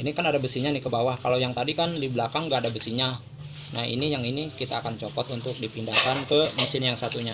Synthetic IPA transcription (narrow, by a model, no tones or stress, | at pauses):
inikanadabəsiɲanɪhkəbawahkalawjaŋt̪adikandibəlakaŋɡaːdabəsiɲa | nahḭnijaŋinikit̪aːkant͡ʃopɔt̪unt̪ʊk̚dipindahkankəmusɪnjaŋsat̪uɲa